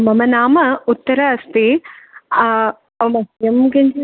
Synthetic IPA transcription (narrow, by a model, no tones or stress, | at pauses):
mɐmɐnaːmɐut̪ːɐɾɐːst̪i | ɐmɐjemɡɐnd͡ʒ